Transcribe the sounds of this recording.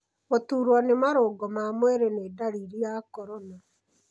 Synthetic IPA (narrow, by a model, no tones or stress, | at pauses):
motuːɾwanemaɾoɡɔmamwɛɾenedaɾiɾijakɔɾɔna